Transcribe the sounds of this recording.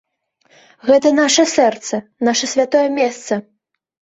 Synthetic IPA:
ɣɛt̪ɐnaʂɐsɛrt̪sɐnaʂɐsʲvʲat̪ɔjɛmʲɛst̪sɐ

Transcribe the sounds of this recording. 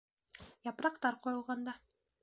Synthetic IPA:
jɑpɾɑqt̪ɑɾqŏjŏlˠʁɑnd̪ɑ

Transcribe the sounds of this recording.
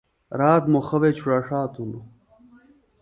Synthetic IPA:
ɾaːt̪moxɐwet͡ɕʰuɾaʂaːt̪unu

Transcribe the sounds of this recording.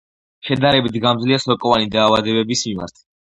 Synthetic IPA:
ʃɛd̪aɾɛbit̪ʰɡamd̪zliasɔɾkʼɔvanid̪aːvad̪ɛbɛbismima̰ɾt̪ʰ

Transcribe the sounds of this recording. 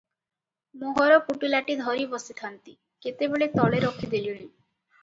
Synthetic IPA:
moɦɔɾɔkuʈilaʈid̪ʱɔɾibɔsit̪ʰant̪i | ket̪ebeɭet̪ɔɭeɾɔkʰid̪elioni

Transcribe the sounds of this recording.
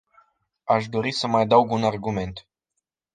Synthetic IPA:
aʃ̬d̪o̞ɾisəmajad̪awɡunarɡume̞nt̪

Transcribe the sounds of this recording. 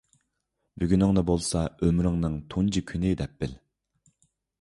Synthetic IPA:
byɡʲynɪŋnɨbolˠsɑømɾɪŋnɨŋt̪ʰund͡ʒikʲʰynɪd̪ɛp̚bɪl

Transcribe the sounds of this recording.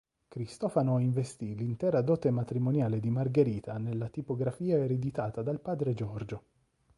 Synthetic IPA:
kɾist̪ɔːfanoiɱvest̪ilint̪ɛːɾad̪ɔːt̪emat̪ɾimonjaːled̪imarɡeɾiːt̪anelːat̪ipoɡɾafiːaeɾed̪it̪aːt̪ad̪alpaːd̪ɾed͡ʒɔrd͡ʒo

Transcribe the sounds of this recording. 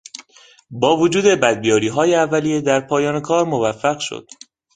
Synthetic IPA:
bɒːvod͡ʒuːd̪e̞bæd̪̚bijɒːɾiːɦɒːjeævːælijed̪æɾpʰɒːjɒːnekʰɒːɾmo̞væfːæɣʃo̰d̪̥

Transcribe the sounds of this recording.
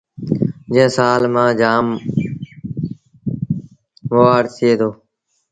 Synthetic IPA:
d͡ʒẽːsaːlmãːd͡ʒaːm | ʋoːaːɽt̪ʰɪeːt̪ʰoː

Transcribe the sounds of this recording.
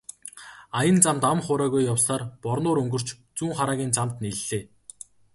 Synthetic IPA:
ajə̆nt͡samt̪amχʊːɾæːɣujːawsaːrpɔrnʊːɾɵŋɡɵ̆r̥t͡ɕt͡suːŋχaɾaːɣʲiːnt͡samt̪niɮːeː

